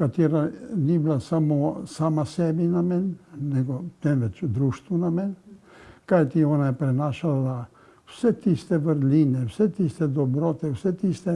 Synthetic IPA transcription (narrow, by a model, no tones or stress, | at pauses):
kat̪iːɾanibilasamɔsaːmasɛːbinamɛnnɛɡɔt̪ɛnʋɛt͡ʃd̪ɾuːʃt̪ʋunamɛn | kajt̪iɔːnajɛpɾɛnaːʃala | wsɛt̪ist̪ɛʋəɾliːnɛwsɛt̪ist̪ɛd̪ɔbɾɔːt̪ɛwsɛt̪iːst̪ɛ